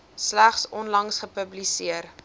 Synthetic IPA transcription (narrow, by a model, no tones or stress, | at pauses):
slæχsɔnlɐŋsχəpəblisiər